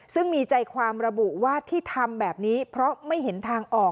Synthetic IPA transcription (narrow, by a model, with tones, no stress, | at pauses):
sɯ˥˩ŋmiː˧t͡ɕa˧jkʰwaː˧mɾa˧bu˨˩waː˥˩t̪ʰiː˥˩t̪ʰa˧mbɛː˨˩p̚niː˦˥pʰɾɔ˦˥ma˥˩jɦe˩˦nt̪ʰaː˧ŋʔɔː˨˩